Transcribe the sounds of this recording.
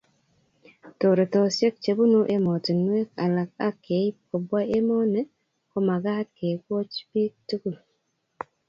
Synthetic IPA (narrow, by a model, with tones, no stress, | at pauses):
to˨ɾo˨tɔ˨sje˦k̚t͡ʃe˨bu˦no˦ʔe˦mɔ˨ti˨nwe˦ka˨la˨k̚a˦kːe˨˦i˦ko˨bwa˦e˦mɔ˦nɛ˦ | ko˦ma˨ɡa˦t̚ke˨kwo˦t͡ʃbi˦k̚tu˦ku˦˨l